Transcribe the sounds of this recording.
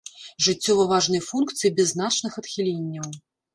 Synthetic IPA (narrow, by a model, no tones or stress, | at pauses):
ʐɨt͡sʲːɔvɐvaʐnɨjfunkt̪sɨjibʲɛzːnat͡ʂnɨxɐt̪xʲilʲenʲːɐw